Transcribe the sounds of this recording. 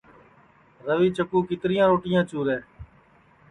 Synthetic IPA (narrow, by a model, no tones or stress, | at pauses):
ɾəʋiːt͡ʃəkuːkɪt̪ɾɪjãːɾoːʈɪjãːt͡ʃuːɾeː